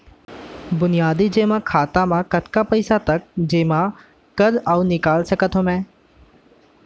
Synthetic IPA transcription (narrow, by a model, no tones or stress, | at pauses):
bʊnɪjaːd̪id͡ʒeːmãːkʰaːt̪ãmãkəʈkapəɪsat̪ɐk̚d͡ʒeːmã | kəɾaunɪkaːlsəkət̪ʰomɛ̃ː